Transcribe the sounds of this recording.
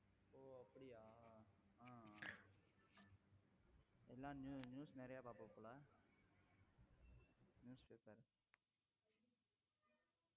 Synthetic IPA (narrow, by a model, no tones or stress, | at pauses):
oːəpɽiːaː | ɦãː | elãːnunjuːsneɾejaːbaːpopʊlaː | njuːspeːpəɾ